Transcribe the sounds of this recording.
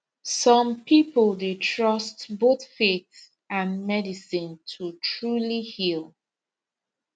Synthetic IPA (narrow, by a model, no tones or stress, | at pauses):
sɔ̃mpʰipəlˠdetʰɹʌstboθfeθ | ãnmɛdisĩntʰutʰɹulihilˠ